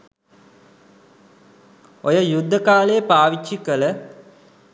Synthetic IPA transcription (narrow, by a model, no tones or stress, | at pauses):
ojəjud̪ʱːəkaːləjəpaːʋit͡ʃːikələ